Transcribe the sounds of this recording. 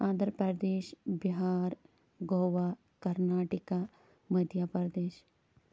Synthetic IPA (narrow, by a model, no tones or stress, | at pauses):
ãːnd̪əɾpɐɾd̪eːʃbiɦaːɾ | ɡoːʋa | kɐɾnaːʈika | məd̪ʱjaːpɐɾɐd̪eːʃ